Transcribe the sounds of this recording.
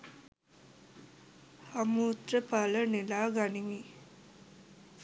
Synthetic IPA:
hamuːt̪ɾəpalənilaːɡanimi

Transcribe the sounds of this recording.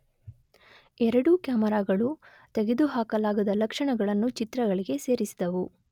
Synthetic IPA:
ɛɾɐɽukjaːmɐɾaːɡɐɭu | t̪eɡe̞d̪uɦaːkɐlaːɡɐd̪ɐlɐkʂɐɳɐɡɐɭɐnːut͡ʃit̪ɾɐɡɐɭiɡe̞se̞ːɾisid̪ɐʋu

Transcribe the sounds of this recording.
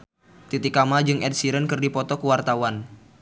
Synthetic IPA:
t̪it̪ikamad͡ʒɨŋʔɛd̚siɾənkɨrdipɔt̪ɔkəwart̪awan

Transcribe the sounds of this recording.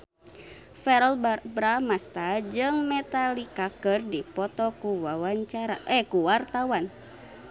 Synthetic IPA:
fɛɾɔlbɾamast̪ad͡ʒɨŋmɛt̪alikakɨrdipɔt̪ɔkuwawaɲt͡ʃaɾaʔɛkuwart̪awan

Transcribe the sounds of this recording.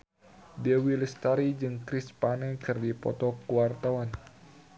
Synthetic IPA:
dɛwiləst̪aɾid͡ʒɨŋkɾispanɛkɨrdipɔ̰t̪ɔkuwart̪awan

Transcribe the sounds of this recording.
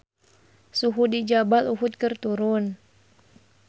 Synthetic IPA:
suɦudid͡ʒabaluɦʊt̪̚kɨrt̪uɾʊn

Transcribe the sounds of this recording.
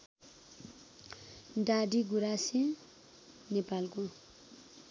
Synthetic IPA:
ɖaɖiɡuɾasĩ | nepalko

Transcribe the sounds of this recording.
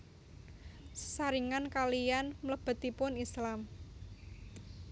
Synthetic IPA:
sə̥saɾiŋankalijanmələb̥ə̤t̪ipʊnislam

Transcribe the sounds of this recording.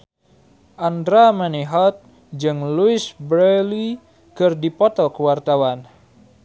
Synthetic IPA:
ʔand̪ɾamɛniɦɔt̪̚ | d͡ʒɨŋluɪsbɾɛli | kɨrdipɔt̪ɔkəwart̪awan

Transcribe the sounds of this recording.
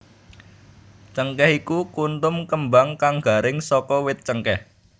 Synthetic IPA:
t͡ʃəŋkɛhikukunt̪ʊmkəmbaŋkaŋɡ̥a̤ɾɪŋsɔkɔwɪt̪̚t͡ʃəŋkɛh

